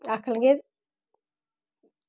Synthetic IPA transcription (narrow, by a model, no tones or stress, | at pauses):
aklŋɡeð